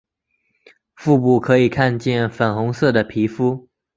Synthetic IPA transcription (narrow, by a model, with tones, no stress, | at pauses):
fu˥˧pu˨˩kʰɤ˧˥i˨˩kʰa˥˧nt͡ɕjɛ˥˩nfə˨˩nxʊ˧˥ŋsɤ˥˩d̪ə˩pʰi˧˥fu˥